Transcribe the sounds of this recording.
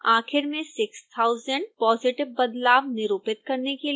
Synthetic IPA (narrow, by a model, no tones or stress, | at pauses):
aːxɪɾmẽsɪkst̪ʰaːʊzəɳɖ̚pɔːzɪʈɪʋbɐd̪laːʋnɪɾoːpɪt̪̚kɐɾnekel